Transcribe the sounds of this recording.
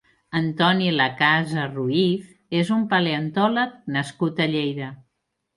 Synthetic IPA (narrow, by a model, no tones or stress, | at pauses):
ənt̪ɔniləkazəruif | ezumpəleənt̪ɔlək̚nəskut̪əʎejðə